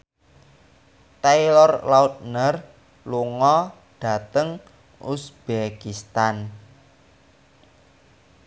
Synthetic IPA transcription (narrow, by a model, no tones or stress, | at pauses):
t̪ailɔrlaut̪̚nər | luŋɔ | ɖ̥a̤t̪əŋ | usb̥ekist̪an